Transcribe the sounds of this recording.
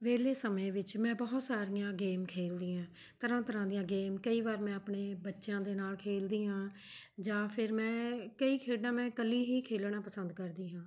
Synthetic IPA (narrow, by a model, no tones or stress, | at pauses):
ʋeːleːsəmẽːʋɪt͡ʃmɛ̃ːbɔːt̪saːɾɪjãːɡeːmkʰeːld̪iːãː | t̪əɾãːt̪əɾãːd̪ijãːɡeːmkəiːʋaːɾmɛ̃ːapɳeːbətːʃjãːd̪eːnaːlkʰeːld̪iːɦãː | d͡ʒaːpʰɪɾmɛ̃ːkəiːkʰeːɖãːmɛ̃ːkəliːɦiːkʰeːlɽãːpəsənd̪kəɾd̪iːɦãː